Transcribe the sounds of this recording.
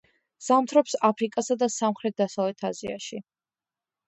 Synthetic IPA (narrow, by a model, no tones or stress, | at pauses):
z̥amt̪ʰɾɔpsapʰɾikʼasad̪asamχɾɛt̪̚d̪asavlɛt̪ʰazia̰ʃi